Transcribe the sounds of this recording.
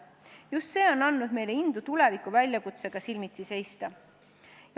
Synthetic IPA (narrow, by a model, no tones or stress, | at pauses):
just̪se̞ːo̞nːɑnːud̪̥me̞jle̞ind̪̥ut̪ule̞vikːˑuvælʲjɑkut̪se̞ɡ̥ɑsilmit̪sise̞jst̪ɑ | j